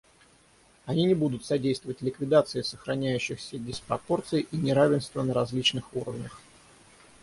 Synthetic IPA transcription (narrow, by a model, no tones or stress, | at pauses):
ɐnʲinʲɪbud̪ʊt̪sɐdʲejst̪vəvətʲlʲɪkvʲɪd̪at̪sɨɪsəxɾɐnʲæjʉɕːɪxsʲədʲɪspɾɐpo̞rt̪sɨɪʔinʲɪɾavʲɪnst̪vənəɾɐzʲlʲit͡ɕnɨxuɾəvnʲəx